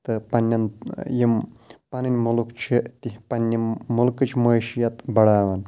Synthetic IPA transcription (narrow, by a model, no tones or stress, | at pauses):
t̪ɨpɐnʲːɐnjimpɐnɨnʲmulukt͡ʃʰit̪ipɐnʲːimulkɨt͡ʃʰimoːʃijɐt̪bɐɽaːʋɐn